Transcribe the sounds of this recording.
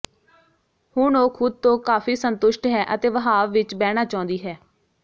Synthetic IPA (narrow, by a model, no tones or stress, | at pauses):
hʊɳoːkʰʊd̪̚t̪õːkaːfʰiːsənt̪ʊʃʈɦɛːʔət̪eːʋəɦaːʋːɪt͡ʃbɛːɽ̃aːt͡ʃãːnd̪iːɦɛː